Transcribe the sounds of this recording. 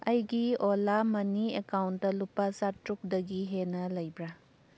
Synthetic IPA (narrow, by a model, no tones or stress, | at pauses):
ɐjɡiolamɐniekawntdɐlupːɐsatɾuk̚dɐɡiɦenɐlɐjbɾɐ